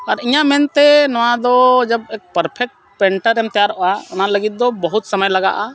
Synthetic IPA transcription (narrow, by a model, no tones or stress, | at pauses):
aɾiɲamɛnt̪ɛnɔwad̪ɔd͡ʒəb̚ɛk̚pəɾpʰɛk̚ʈ̚ | pɛɳʈəɾɛmt̪ɛjaɾɔʔɔaɔnaləɡit̪̚d̪ɔbəɦut̪səməjlaɡa̰ʔa